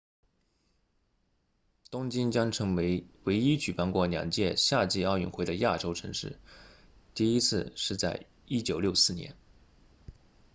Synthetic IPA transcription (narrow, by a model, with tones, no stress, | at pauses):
t̪ʊ˥ŋt͡ɕi˥nt͡ɕjɑ˥ŋʈ͡ʂʰɤ˧˥ŋe˧˥ɪwe˧˥ɪi˥t͡ɕy˨˩pa˥˧nkwɔ˥˩njɑ̰˨˩ŋt͡ɕjɛ˥˧ɕja˥˧t͡ɕi˥˧ɑ˥˧ʊy̰˥˩nxwe˥˩ɪd̪ə˧˩ja˥˩ʈ͡ʂo˥ʊʈ͡ʂʰɤ̰˧˥ŋʂɻ̩˥˩ | t̪i˥˩i˥t͡sʰɹ̩˥˧ʂɻ̩˥˧t͡sa˥˩ɪ | i˥t͡ɕjo˨˩ʊljo˥˧ʊsɹ̩˥˩njɛ̰˧˥n